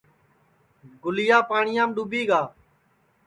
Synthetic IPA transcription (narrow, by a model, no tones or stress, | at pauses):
ɡʊlɪjaːpaːɳɪjãːmɗuːbiːɡaː